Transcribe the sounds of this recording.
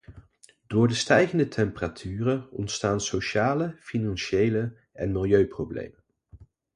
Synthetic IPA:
d̥ʊːɹdəstɛjχəndətʰɛmpəratʰyːrəɔ̰ntstaːnsowʃaːləfinɑnʃejlə | ʔɛnmɪlˠjøɥprowblḛjmən

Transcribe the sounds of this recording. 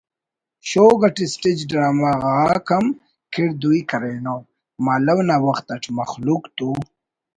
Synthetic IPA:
ɕoːɡɐʈisʈid͡ʒɖɾaːmaɣaːkʰɐm | kʰiɽd̪ujkɐɾeno | maːlɐwnawɐxt̪ɐʈ͡ʂʰmɐxlukt̪u

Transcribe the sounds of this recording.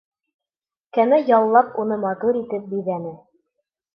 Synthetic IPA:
kænæjɑlˠːɑpunɤmɑt̪uɾit̪ɘp̚biðænɘ

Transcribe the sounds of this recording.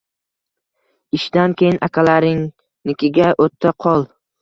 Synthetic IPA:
ɪʃd̪ankʲʰejɪnakʲʰalaɾɪŋ | nɪkʲɪɡʲaʔot̪ʰːaqʰɒlˠ

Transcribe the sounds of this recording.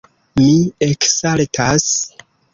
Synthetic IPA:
mieksaltʰas

